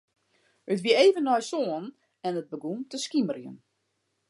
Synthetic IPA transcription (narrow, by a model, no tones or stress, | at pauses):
hətʋiəeːvənːɔjsoən | ɛnət̚bəɡumtəskimərjə̰n